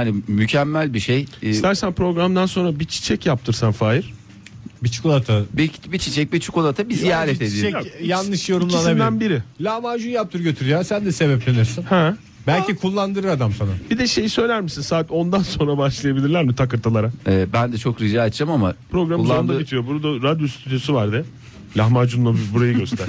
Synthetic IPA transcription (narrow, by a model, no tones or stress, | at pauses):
hanimycʰɛmːælʲbiʃejst̪æɾsænpɾo̞ɡɾamd̪anso̞nɾabit͡ʃʰi̥t͡ʃʰɛcjap̚t̪ʰɯɾsanfaːjiɾ̥ | bit͡ʃʰu̥kolˠat̪ʰabibit͡ʃʰit͡ʃʰɛc̚bit͡ʃʰukolˠat̪ʰabizijaːɾɛt̪ed̪ijjanːɯʃjo̞ɾumlˠanabid̪ænbiɾɪlʲamaʒujap̚t̪ʰɯɾɟø̞t̪ʰyɾyjasænd̪ɛse̞bɛplʲenyjosɯnhɛ | bælʲcʰikʰulˠːand̪ɯɾɯɾad̪amsanabid̪ɛʃe̞jisø̞jlʲæɾmisinsaːt̪o̞nd̪anso̞nɾabaʃlˠajabilʲiɾlʲæɾmit̪ʰakɯɾt̪ʰalˠaɾaɛbænd̪ɛt͡ʃʰo̞kɾiʒaat̪ʰd͡ʒamamapɾo̞ɡɾamɯzond̪abit̪ʰijo̞buɾud̪aɾad̪jo̞st̪ʰyd̪ijo̞suvaɾd̪ɛ | lʲahmad͡ʒunlˠabuɾajɯɡøst̪ʰæɾ